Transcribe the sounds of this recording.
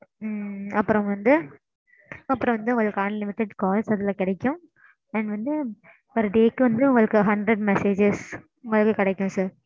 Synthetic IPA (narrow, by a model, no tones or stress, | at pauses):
ɐpːɯɾɔ̃ʋɐnd̪ɯ | ɐpːɯɾɔ̃ʋɐnd̪ɯʊ̃ŋɡɐɭɯkːaːnnɪmɪt̪ːɐʈːkɔːlsɐðɐlãːkɪɽɛkːʊ̃ | ɐɳɖʋɐnd̪ɯ | ɔɾɯɖeːkːɯʋɐnd̪ɯʊŋɡɐɭɯkːɯɦɐɳɖɾɛɖmɛseːd͡ʒes | ʊŋɡɐɭɯkːɯkɪɽɛkːʊ̃saːɾ